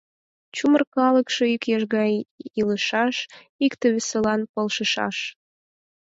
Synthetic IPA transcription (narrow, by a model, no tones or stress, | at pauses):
t͡ɕumərkɑləkʃoykjɑʒɣɑjiləʃɑʃ | ikt̪eβesəlɑnpəlʃəʃɑ̰ʃ